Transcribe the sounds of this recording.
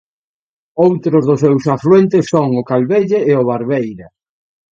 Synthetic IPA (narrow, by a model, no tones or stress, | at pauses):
owt̪ɾʊzðʊsewsafluwent̪ɪsːoŋʊkalβeʎeːoβaɾβejɾɐ